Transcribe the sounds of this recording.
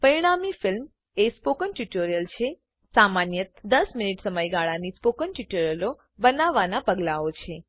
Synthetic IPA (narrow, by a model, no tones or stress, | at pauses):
pəiɽ̃amifɪlm | espokənʈuʈoɾijəlt͡ʃʰe | samanjət̪d̪əsminiʈsəməjɡaɭanispokənʈuʈoɾjəlo | bənaʋːanapəɡlaot͡ʃʰe